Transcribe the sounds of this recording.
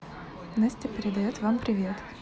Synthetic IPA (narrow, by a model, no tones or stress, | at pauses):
nasʲtʲɪpʲɪɾʲɪd̪ɐjot̪vampɾʲɪvʲe̞t̪